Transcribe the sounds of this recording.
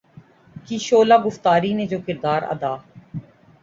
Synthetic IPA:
kiʃoːlaːɡʊft̪aːɾiːned͡ʒoːkɪɾd̪aːɾə̰d̪aː

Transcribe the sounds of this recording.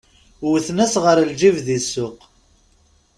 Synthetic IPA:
θnæsʁəɾld͡ʒivðisːʊq

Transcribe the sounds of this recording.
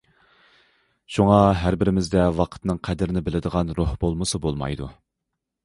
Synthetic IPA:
ʃuŋɑɦæɾbɪɾɪmɪzd̪ɛwɑqʰə̥t̪nɨŋqʰɛd̪ɪɾɪnɪbɪlɪd̪əʁɑnɾohbolˠmɨsɨbolˠmɑ̰jd̪ṵ

